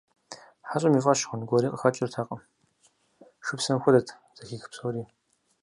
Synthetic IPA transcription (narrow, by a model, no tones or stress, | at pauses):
ħaɕʼɐmiːʁʼɐʃχʷʊnɡʷɔɾiːqʼəxɐt͡ʃʼɪrtʰaːqʼɐm | ʃʊpsɐmxʷʊdɐtʰ | zɐxiːxpsoːriː